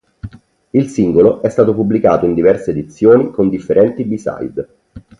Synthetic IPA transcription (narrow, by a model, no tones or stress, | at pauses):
ilsiŋɡoloʔɛst̪aːt̪opubːlikaːt̪oind̪ivɛrseːd̪it̪sːjoːnikond̪ifːeɾɛnt̪ibisa̰jd̪